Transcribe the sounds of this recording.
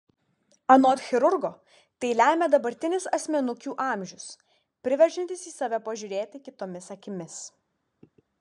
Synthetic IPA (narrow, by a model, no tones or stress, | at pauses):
ɐnoːt̪xʲɪɾʊɾɡoː | t̪ʲɛɪlʲæːˑmʲɛd̪ɐbɐɾʲt̪ʲɪnʲɪsɐsʲmʲɛnʊkʲuːʔɑˑmʲʒʲʊs | pʲɾʲɪʋʲɛɾʲʒʲɪnʲt̪ʲɪsiːsɑːʋʲɛpɐʒʲʊɾʲeːt̪ʲɪkʲɪt̪oːmʲɪsɐkʲɪmʲɪs